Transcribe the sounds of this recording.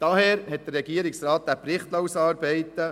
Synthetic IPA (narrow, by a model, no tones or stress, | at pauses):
d̥ɑɦɛːɾhɛt̚d̥̪ərːɛɡiəɾɪksrɑːt̪̚d̥̪æprɪχtloːsɑːɾbɛɪtə